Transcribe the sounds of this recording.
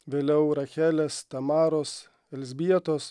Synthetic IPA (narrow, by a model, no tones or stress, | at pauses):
ʋʲeːlʲɛʊɾɐxʲæːlʲest̪ɐmɑːɾoːs | ɛlʲzʲbʲiɛt̪oːs